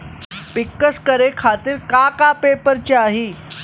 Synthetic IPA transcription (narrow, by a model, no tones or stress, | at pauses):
pikːəskəɾekʰat̪iːɾkakapepəɾt͡ɕeaɦiː